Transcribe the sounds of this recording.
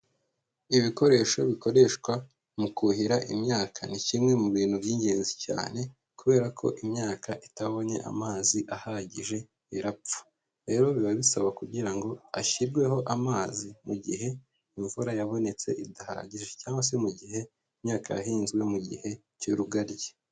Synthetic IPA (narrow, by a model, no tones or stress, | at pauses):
iβiko̞ɾe̞ːʃo̞βiko̞ɾe̞ʃkwa | mukuhiɾaʔimɲaːkʰanicimŋe̞muβiːn̥hubɟiːɲɡe̞ːnzica̰ːne̞ | kuβe̞ːɾakʰo̞̰ʔimɲaːkʰaʔitaβo̞ɲe̞̰ʔa̰maːziʔahaɟiʒe̞ | iɾap͡fu̥ | ɾe̞ːɾo̞βiβaβisaβakuɟiɾaŋɡo̞aʃiɾɡwe̞ho̞ʔamaːzimuɟḭɦe̞ | iɱvuɾajaβo̞ne̞t͡se̞̰ʔidaha̰ɾa̰ɟiʒe̞caːŋɡwas̬emuɟihe̞ | mɲaːkaja̰hiːnzɡwe̞muɟḭhe̞ | cuɾuɡaɾje